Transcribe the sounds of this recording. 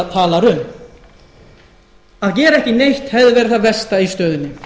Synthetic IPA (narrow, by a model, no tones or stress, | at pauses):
ðt̪ʰaːlaɾʏm | aðcɛːɾɛhcɪnejht̪hɛvðɪvɛːɾʏθaðvɛst̪aist̪œːðʏnːɪ